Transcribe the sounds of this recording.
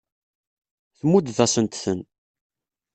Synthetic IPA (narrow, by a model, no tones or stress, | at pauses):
θmud̪ðæsənt̪θən